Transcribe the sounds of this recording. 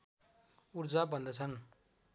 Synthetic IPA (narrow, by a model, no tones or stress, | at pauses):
urd͡zabʱʌnd̪ʌt͡sʰʌn